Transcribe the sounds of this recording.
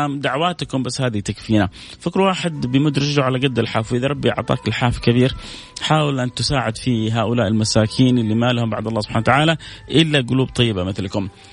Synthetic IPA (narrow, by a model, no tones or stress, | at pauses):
d̪aʕwaːt̪kʊmbasːhaːd̪it̪akfiːna | fɪkɾwaːħɪd̪bɪjmʊd̪ɾɪd͡ʒuʕalaɡad̪ːalħaːfwiðɾˤɑbːijɪ̰ʕt̪ˤɑ̰ːkɪlħaːfkɪbiːɾ | ħaːwɪlʔant̪ɪsaːʕɪd̪fiɦaːʔʊlaːʔɪlmasaːkʰiːnʔɪlːimaːlhʊmba̰ʕd̪ɑlˤːɑːsʊb̥ħaːnat̪aʕaːlaʔɪlːaɡʊluːb̚t̪ˤɑjːɪbamɪθlkʊm